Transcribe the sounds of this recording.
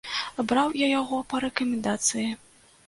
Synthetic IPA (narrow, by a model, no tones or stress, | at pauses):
bɾawjajaɣɔpɐɾɛkɐmʲɛnd̪at̪sɨji